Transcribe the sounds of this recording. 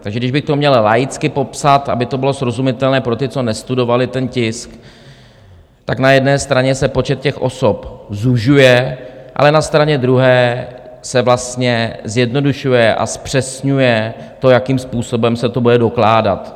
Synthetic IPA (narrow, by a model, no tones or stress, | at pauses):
t̪aɡʒɛɡdɪʒbɪxt̪omumɲɛllajɪt͡skɪpo̞psat̪ʔa̰bɪt̪o̞bɪlo̞sɾo̞zumɪt̪ɛlnɛːpɾo̞t̪ɪt͡so̞nɛst̪udo̞valɪt̪ɛncɪsk | t̪aknajɛdnɛːst̪ɾaɲɛsɛpo̞t͡ʃɛt̪̚cɛxʔo̞̰so̞pzuʒujɛʔa̰lɛnast̪ɾaɲɛd̪ɾuɦɛːsɛvlast̪ɲɛzjɛdno̞duʃujɛʔa̰spr̥ɛsɲujɛ | t̪o̞jakiːmspuːso̞bɛmsɛt̪o̞budɛdo̞klaːda̰t̪